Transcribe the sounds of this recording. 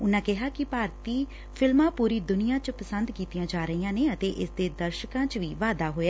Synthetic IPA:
ʊnãːkɪɦaːkɪpaːɾt̪iː | pʰɪlmãːpuːɾiːd̪ʊnɪjãːt͡ʃəpəsənd̪kiːt̪ijãːd͡ʒaːɾəiːãːneːət̪eːʔɪsd̪eːd̪əɾʃkãːt͡ʃʋiːʋaːd̪aːɦoːjaː

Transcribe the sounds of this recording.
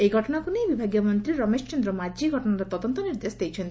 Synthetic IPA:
ejɡʱɔʈɔnakunejbibʱaɡjɔmɔnt̪ɾiɾɔmesɔ̥t͡ʃɔnd̪ɾɔmad͡ʒiɡʱɔʈɔnaɾɔt̪ɔd̪ɔnt̪ɔniɾd̪esd̪ejt͡ʃʰent̪

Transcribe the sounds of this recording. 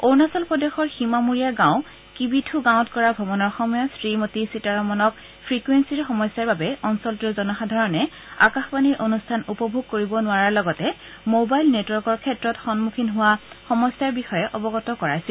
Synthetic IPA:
oɹnasɔlpɹɔdexɔɹximamuɹijaɹɡãʊ̃ | kibitʰuɡãw̃tkɔɹabʱɔbɔnɔɹxɔmɔjɔsɹimotisitaɹɔmɔnɔk̚ | pʰɹikwensiɹxɔmɔjsjaɹbabɛɔnsɔltuɹzɔnɔxadʱaɹɔnɛ | a̰kaxbaniɹʔonustʰanupɔbʱuɡ̚koɹibɔnʊaɹaɹlɔɡɔtɛ | mobajlnetwɔɹkɔɹkʰɛtɹɔtxɔnmukʰinɦʊwaxɔmɔsjaɹbixɔjɛʔɔbɔɡɔtɔkɔɹajsɛ

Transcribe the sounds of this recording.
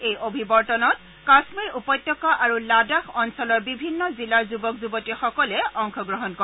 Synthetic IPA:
ejʔobʱibɔɹtɔnɔt̚ | kasmiɹupɔjtːɔkaʔaɹuladaxɔnsɔlɔɹbibʱinːɔzilaɹzubɔkzubɔtixɔkɔlɛʔɔŋxʰɔɡɹɔɦɔnkɔ

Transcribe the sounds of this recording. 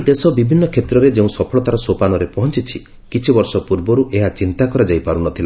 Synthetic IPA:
d̪esɔbibʱinːɔkʰet̪ɾɔɾed͡ʒeũsɔpʰɔɭɔt̪aɾɔsopanɔɾepɔɦɔnt͡ʃit͡ʃʰi | kit͡ʃʰibɔɾsɔpuɾbɔɾuʔeɦat͡ʃint̪akɔɾad͡ʒajpaɾunɔt̪ʰila

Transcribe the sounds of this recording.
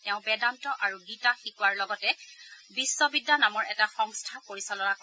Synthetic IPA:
tɛʊ̃bɛdantɔʔaɹuɡitaxikuwaɹlɔɡɔtɛ | bisːɔbidːanamɔɹɛtaxɔŋstʰapoɹisɔlɔnak

